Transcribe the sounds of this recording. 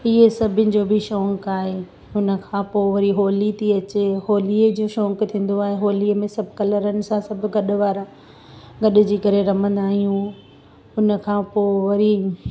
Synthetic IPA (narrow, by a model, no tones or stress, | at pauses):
ɪɦesɐbʱɪnɪ̆d͡ʑoːbʱɪʃɔ̃ːŋkaːɦeː | ɦʊnə̆kʰãːpoːʋɐɾiɦoːlit̪ʰiɐt͡ɕeɦoːliəd͡ʑoːʃɔ̃ːŋkt̪ʰĩːn̆d̪oaːɦeɦoːlimẽsɐbʱkɐləɾənɪ̆sãsɐbʱʊ̆ɡɐɗʊ̆ʋaːɾa | ɡɐɗʊ̆d͡ʑiːkɐɾeɾɐmə̃nd̪aːɦijũ | ʊnə̆kʰãːpoːʋɐɾi